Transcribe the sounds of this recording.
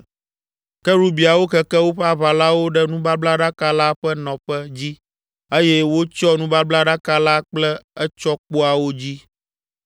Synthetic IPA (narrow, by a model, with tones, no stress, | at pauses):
kɛ˦ɾu˦bi˨a˨wo˦kɛ˦kɛ˦wo˦ɸɛ˦a˨βa˨la˦wo˦ɖɛ˦nũ˦ba˦bla˦ɖa˦ka˦la˦ɸɛ˦nɔ̃˨ɸɛ˦d͡ʑi˦ | e˦jɛ˦wo˦t͡ʃɔ˦nũ˦ba˦bla˦ɖa˦ka˦la˦k͡plɛ˦ɛ˦t͡ʃɔ˦k͡po˦a˨wo˦d͡ʑi˦